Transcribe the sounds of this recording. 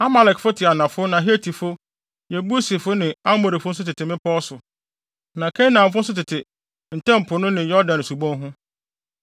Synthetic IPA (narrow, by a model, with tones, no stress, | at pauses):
a˦ma˨lɛ˨kfʊ˦tʰɪ˨a˨nã˨fʊ˦nã˨ɦi˦e˦tʰi˨fʊ˦ | jɛ˨bu˦si˨fʊ˦nɪ̃˨a˦mo˨ɾi˨fʊ˦n̩˦s̬ʊ˦tɪ˨tʰɪ˨mɪ̃˦pʰɔː˦sʊ˨ | nã˨kʰɛ̃˦nã˨m̩˦fʊ˦n̩˦s̬ʊ˦tɪ˨tʰɪ˨ | n̩˨tʰɛ̃˦m̩˨pʰʊ˨nʊ̃˦nɪ̃˨jɔ˦dã˨n˨su˨bɔ̃˦nɦʊ̃˦